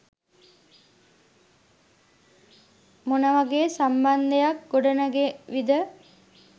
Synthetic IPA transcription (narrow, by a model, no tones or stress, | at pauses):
munəʋəɡeːsamband̪ejak̚ɡoɖənəɡeʋid̪ə